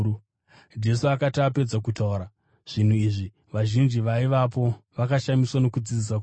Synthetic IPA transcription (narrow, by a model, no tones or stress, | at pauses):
d͡ʒe̞suakataːped͡zakutauɾa | ʐ̥in̤uiʐi | ʋaʒind͡ʒiʋaiʋapo̞ʋakaʃamiswano̞kud͡zid͡zisaku